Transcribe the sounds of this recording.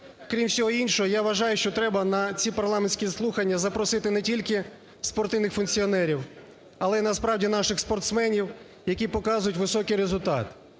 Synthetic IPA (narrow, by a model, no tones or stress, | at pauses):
kɾʲimsʲɔɦɔinʲʃɔɦɔjaʋɐʒɑjʊʃt͡ʃɔt̪ɾɛbɐnɐt͡sʲipɐrlˠɑmenʲsʲkʲislˠuxɐnʲːɐzɐpɾɔsɪt̪ɪnɛtʲilʲkɪ | spɔrt̪ɪwnɪxfʊnkt͡sʲiɔnɛɾʲiw | ɐlˠɛnɐspɾɑwdʲinɑʃɪxspɔrt̪smɛnʲiw | jɐkʲipɔkɑzʊjʊtʲʋɪsɔkɪjɾezʊlʲt̪ɑ̰t̪